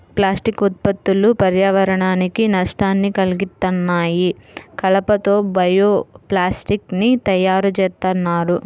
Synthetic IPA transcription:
plaːsʈikut̪̚pɐt̪ːulupɐɾjaːʋɐɾɐɳaːnikinɐʂʈaːnːikɐliɡit̪ːɐnːaːjikɐlɐpɐt̪o̞ːbɐjoːplaːsʈiknit̪ɐjaːɾut͡ʃɛːt̪ɐnːaːɾu

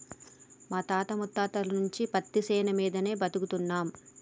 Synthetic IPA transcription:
maːt̪aːt̪ɐmut̪ːaːt̪ɐlɐnuɲt͡ʃipɐt̪ːisɛːnɐmiːd̪ɐne̞ːbɐt̪ukut̪unːaːm

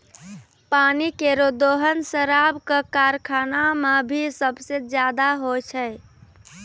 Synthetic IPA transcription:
panikeɾod̪oɦənsəɾabkəkaɾkʰanamebʱisəbsed͡ʒjad̪aɦot͡ʃʰəj

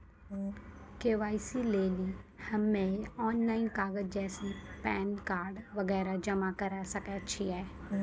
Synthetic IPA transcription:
keːʋaːisileːlihɐmːẽɔːnlaːɪnkaːɡəd͡ʒd͡ʒɛːsipɛːnkaːɾɖʋɐɡɛːɾad͡ʒɐmakɐɾasɐkɛt͡ʃʰiɦɛː

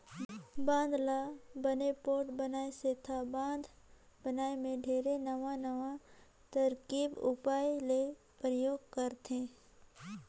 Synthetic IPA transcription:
bãːnd̪ʱlabənepoːɾʈbənaːeseːt̪ʰabãːnd̪ʱ | bənaːemẽɖʱeːɾenɐʋãnɐʋã | t̪əɾkiːbʊpaːjle | pɾəjoːɡ̚kəɾt̪ẽː

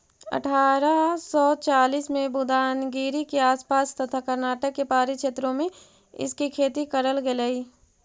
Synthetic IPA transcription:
ɐ̰ʈʰaːɾasɔːt͡ʃaːliːsmẽbʊd̪aːnɡiːɾikeaːspaːst̪ɐt̪ʰakɐɾnaːʈəkːepaːɾiʃeːt̪ɾõmẽ | ɪ̰skikʰeːt̪ikəɾəlɡeləiː

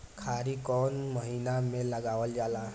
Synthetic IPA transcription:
kʰaɾikɔnmʌɦinamelʌɡawəld͡ʒala

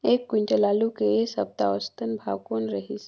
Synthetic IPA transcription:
eːkːwɪ̃ɳʈəlaːlukeesə̰b̚t̪aɔst̪ənbʱa̰ːwkoːnɾəɦis

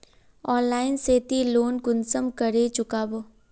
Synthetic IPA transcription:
ɔːnlaːɪnseːt̪iloːnkʊnsəmkəɾet͡ʃʊkaːboː

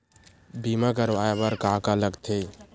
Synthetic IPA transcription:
bimak̬əɾʋajabəɾkaːkaləɡt̪ʰe

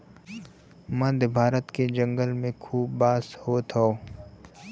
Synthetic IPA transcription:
mə̃d̪ʱbʱaːɾət̪ked͡ʒə̃ŋɡəlmẽkʰuːbːaːshoːt̪ʰoo

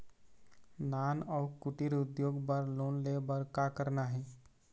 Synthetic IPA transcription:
naːnɔːɾkʊʈiɾʊd̪joːɡpəɾloːnlebəɾkakəɾnaɦɛː

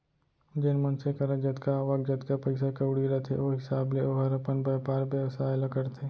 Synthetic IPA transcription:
d͡ʒɪnmɐnsekɐɾad͡ʒɐt̪kaʋɐɡ̚d͡ʒɐd̪kapɐɪsakɐwɽiɾɐt̪ʰḛoːɦɪsaːbleoːɦɐɾɐpənbɐpaːɾbeʋsaːjlɐkəɾt̪ʰeː

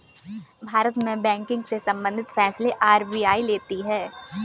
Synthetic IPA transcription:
bʱaːɾət̪mẽbɛ̃ːŋkɪ̃ŋɡsesɐ̃mbə̃nd̪ʱɪt̪fɛːsleʔaːɾbiːaːileːt̪iɦɛː

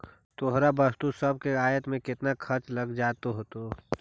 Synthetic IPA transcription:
t̪oɦɾabəst̪usəb̚ʱkeaːjət̪mẽkɪt̪nakʰɐɾt͡ʃlɐɡd͡ʒaːt̪oɦoːt̪o

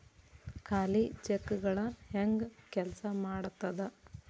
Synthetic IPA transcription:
kʰaːlit͡ʃekːɡɐɭɐheŋɡkɛlɐsɐmaːɽut̪ːɐd̪e

